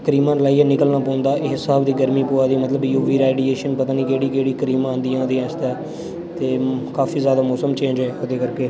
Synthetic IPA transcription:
kəɾiːmãːnlaːiːɛːnɪkəlnaːpɔ̃ːnd̪aːʔeːɦɪsaːbd̪iːɡəɾmiːpoːaːd̪iːmət̪ləbjuːʋiːɾaːɖieːʃənpət̪aːniːkeːɽiːkeːɽiːkəɾiːmãːnd̪ijãːd̪iːaːt͡ʃt̪aː | t̪eːkaːfiːzjaːd̪aːmɔːsəmt͡ʃẽːɲd͡ʒɛːod̪eːkəɾkeː

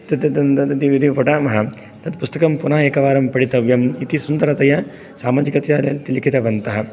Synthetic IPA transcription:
t̪ɐd̪ɐd̪ɐnt̪ɐd̪ɐd̪iʋid̪ifoʈaːmɐɦɐ | t̪ɐd̪pust̪ɐkɐmpunaːeːkɐʋaːɾɐmpɐɽit̪ɐʋjɐmit̪isund̪ɐɾɐt̪ɐjɐ | saːmaːd͡ʒikɐt̪jaːlɐlt̪ilikit̪ɐʋɐnt̪ɐɦɐ

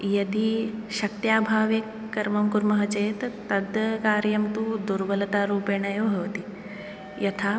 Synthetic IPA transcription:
jɐd̪iʃɐk̚t̪jaːbʱaːʋjekːɐɾmɐmkuɾmɐɦɐt͡ʃeːt̪ːɐd̪ɐkaːɾjɐmt̪ud̪uɾʋɐlɐt̪aːɾuːpeːɳɐjoːbʱɐʋɐt̪i | jɐt̪ʰaː

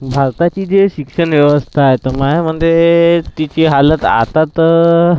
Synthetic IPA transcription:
bʱaɾt̪at͡ɕiːd͡zeɕikʂənʋjəʋəst̪ʰajt̪əmaɦam̤əɳd͡zet̪it͡ɕiɦalət̪a̰t̪at̪

